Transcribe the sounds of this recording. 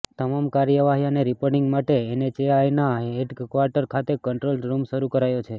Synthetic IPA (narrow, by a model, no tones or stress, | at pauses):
t̪əmamkaɾjəʋaɦijaneɾipoɾɖɪ̃ŋɡmaʈeːnet͡ʃeajnaeɖkʋaɾʈəɾkʰat̪ekəɳʈɾolɾumʃəɾukəɾajot͡ʃʰe